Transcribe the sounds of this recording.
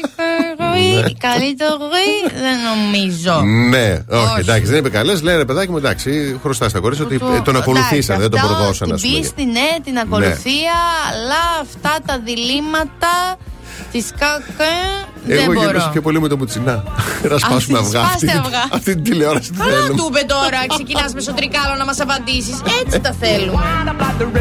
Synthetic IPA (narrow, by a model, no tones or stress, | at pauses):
ɣuikɐlit̪oɣuiðeno̞mizoneoied̪ɐksiðenipekɐlesleɾepeðɐcimued̪ɐksixɾost̪ɐst̪ɐko̞ɾisiot̪it̪o̞nɐko̞luθisɐðed̪opɾðosɐnɐ̰sist̪inet̪inɐko̞nṵθiɐːlɐːft̪ɐt̪ɐðilimɐt̪ɐ | t̪iskɐkɐ | ðeɣoʝeɾisopçopo̞limut̪obut͡sinɐɾɐspɐsummeɐfɣɐfsiɐvɣɐɐft̪it̪it̪ileoɾɐsi̥t̪ɐθelumubet̪o̞ɾɐkssecinɐzmes̬ot̪ɾikɐlonɐmɐsɐpɐnd̪isiset͡sit̪ɐθelumeɐbɐd̪